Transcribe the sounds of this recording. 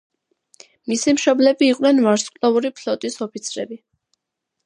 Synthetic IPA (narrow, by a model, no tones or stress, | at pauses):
misimʃɔblɛbiːqʼnɛnvaɾsqʼlɔuɾipʰlɔt̪ʼisɔpʰit̪sʰɾɛbi